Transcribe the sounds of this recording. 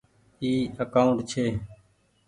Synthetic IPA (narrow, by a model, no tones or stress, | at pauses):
iːəkaːuɳʈt͡ʃʰeː